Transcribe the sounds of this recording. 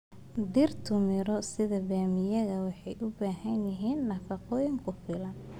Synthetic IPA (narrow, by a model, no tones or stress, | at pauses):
d̪irt̪ʰʊmɪɾɔsɪðɐbaːmɪjɐɣɐwɑħɑjʔʊbaːɦɐnjɪɦiːnːɐfɑqɔːjɪŋkʰʊfɪlɐn